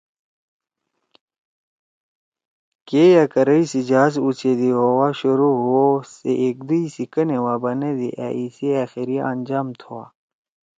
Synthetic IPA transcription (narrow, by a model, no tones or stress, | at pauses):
kejakɐɾɐisid͡ʑaːs̬ut͡ɕed̪iɦowaɕuɾuɦuoseʔek̚d̪uisikɐnewabɐned̪ḭʔa̰isiaːxiɾiand͡ʑaːmt̪ʰuwa̰ː